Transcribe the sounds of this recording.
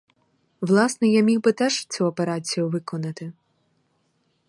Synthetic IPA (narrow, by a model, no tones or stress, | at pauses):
ʋlˠɑsnɛjamʲiwbɪt̪ɛʒt͡sʲuɔpeɾɑt͡sʲijʊʋɪkɔnɐt̪ɪ